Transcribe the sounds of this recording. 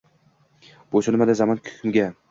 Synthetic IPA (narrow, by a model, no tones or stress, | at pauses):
b̥osɪnmad̪azamɒnkʲʰʊ̥kʰʲʊmɡʲa